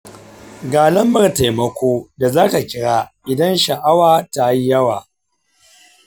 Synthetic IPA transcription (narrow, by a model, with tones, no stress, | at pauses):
ɡaː˨lɐ˦mbɐ˨rta˨jmɐ˦kʷʰoː˦da˨zaː˦ta˨kʲɪ˦ɽaː˦ʔɪ˨dɐ˦nʃɐ˨ʔa˦waː˨ta˨˦ji˦jɐ˦waː˨